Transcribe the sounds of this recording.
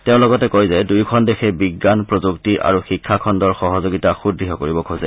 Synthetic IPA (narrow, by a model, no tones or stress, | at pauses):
teʊ̃lɔɡɔtɛkojzɛdujkʰɔndexʰɛbiɡːanpɹozuktiɹʔa̰ɹuxikʰːakʰɔndɔɹxɔɦɔzoɡitaxudiɦɔkoɹibɔkʰozɛ